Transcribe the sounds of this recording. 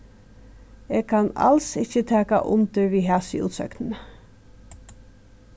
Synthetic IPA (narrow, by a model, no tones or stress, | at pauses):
eːɡ̚kʰɑnɑ̰lsɪçət̪ʰæːka̰ʔʊmd̪əɹʋiːɦæːsɪ̰ṵːt̪sœ̰knən̩ə